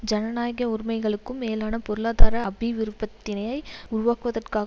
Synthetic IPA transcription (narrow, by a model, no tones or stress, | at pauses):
d͡ʒɐnɐnaːjɣɐʊɾɪmɐɪɣɐɭɯkːɯmːeːlaːnɐpɔɾɯɭaːðaːɾɐɐbiʋɪɾɯpːɐt̪ːɪnɐjɐɪʊɾʊʋaːkɯʋɐðɐrkaːɣ